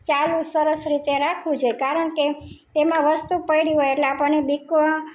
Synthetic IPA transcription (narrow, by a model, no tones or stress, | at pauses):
t͡ʃalũsəɾəsɾit̪eɾakʰʋũd͡ʒojekaɾəɳket̪emãʋəst̪upəjɽiɦojeʈleapəɳnebikʋə